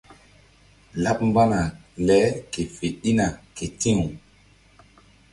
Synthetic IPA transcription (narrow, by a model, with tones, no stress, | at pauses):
la˦p̚mba˦na˨lɛ˨˦ke˨fe˨ɗi˦na˨ke˨tĩ˦ŋu˨